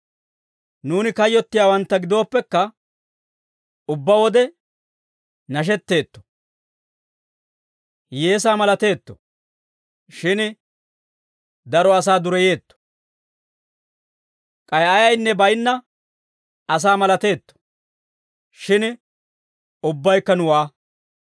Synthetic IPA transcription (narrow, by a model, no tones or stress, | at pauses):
nuːnɪkɐjːɔt̪ːɪjaːwɐnt̪ːɐɡɪd̪o̞ːpːɛkːɐ | ʊbːawɔd̪ɛ | nɐʃ̬ɛt̪ːe̞ːt̪ːɔ̥ | je̞ːs̬aːmɐlɐt̪e̞ːt̪ːɔ̰ | ʃɪn | d̪ɐɾɔɐs̬aːd̪ʊɾɛje̞ːt̪ːɔ̥ | kʼɐjʔɐjɐjnːɛbɐjnːɐ | ɐs̬aːmɐlɐt̪e̞ːt̪ːɔ̥ | ʃɪn | ʊbːɐjkːɐnʊwaː